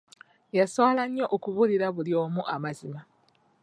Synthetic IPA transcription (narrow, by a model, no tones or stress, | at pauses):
jasolaɲːoʔokuβuliɾaβuljo̞ːmuʔamazima